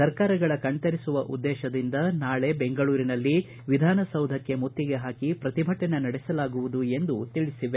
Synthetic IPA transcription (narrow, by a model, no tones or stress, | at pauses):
sɐɾkaːɾɐɡɐɭɐkɐɳt̪ɐɾisuʋɐʔṵd̪ːɛːʃɐd̪ind̪ɐnaːɭe̞beŋɡɐɭuːɾinɐlːi | ʋid̪ʱaːnɐsɐwd̪ʱɐkːe̞mut̪ːiɡe̞ɦaːkipɾɐt̪ibʱɐʈːɐnɐnɐɽɛsɐlaːɡuʋud̪ue̞nd̪ut̪iɭisiʋe